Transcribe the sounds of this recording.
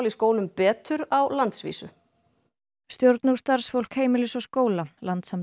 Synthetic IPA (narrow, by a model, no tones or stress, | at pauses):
liskoːwlʏmpɛːt̪ʏɾawlant̪svḭːsʏ̰ | st̪jowɾt̪nust̪aɾ̥sfowl̥kheːjmɪlɪsɔskoːwlalant̪sam